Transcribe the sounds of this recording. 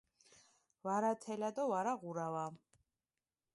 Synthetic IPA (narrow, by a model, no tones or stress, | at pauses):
vaɾat̪ʰɛlad̪ɔvaɾaʁuɾava